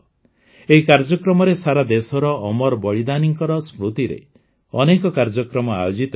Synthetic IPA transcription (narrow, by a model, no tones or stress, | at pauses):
eɦikaɾd͡ʒɔkɾɔmɔɾesaɾad̪esɔɾɔʔːmɔɾbɔɭid̪aniŋkɔɾɔsmɾut̪iɾḛ | ɔ̰nekɔkaɾd͡ʒɔkɾɔmɔa̰jod͡ʒit̪